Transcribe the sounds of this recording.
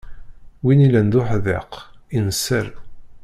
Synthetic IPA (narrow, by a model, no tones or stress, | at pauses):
winilænd̪ʊħðɪqinəsːəɾ